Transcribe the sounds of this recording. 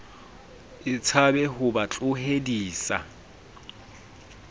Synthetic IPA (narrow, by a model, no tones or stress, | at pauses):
ɪt͡sʰabɛhʊbat͡ɬʼʊɦediːsa̰